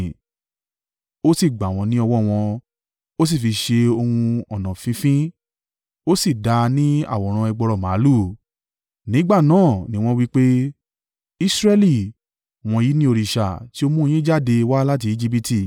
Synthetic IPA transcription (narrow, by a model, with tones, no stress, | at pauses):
o˦si˦˨ɡ͡ba˨w̃ɔ̃˧nĩ˦ɔ˧wɔ˦˨w̃ɔ̃˧ | o˦s̬i˦˨fi˧ʃe˧o˧hũ˧ɔ˨nã˨fĩ˦fĩ˦ | o˦si˦˨da˧nĩ˦a̰˦˨wɔ˨ɾ̃ã˧ɛ˧ɡ͡bɔ˧ɾɔ˨mãː˨˦lu˦˨ | nĩ˨˦ɡ͡ba˦˨nãː˨˦˨nĩ˨˦w̃ɔ̃˦wi˦k͡pe˦ | i˦sɾɛ˦li˨ | w̃ɔ̃˧ji˨˦nĩ˦o˧ɾi˧˨ʃa˨ti˦o˧mũ˦˧j̃ĩ˦d͡ʒa˦˨de˧wa˦la˦t̬i˧i˧d͡ʒi˦p̬i˦ti˧˨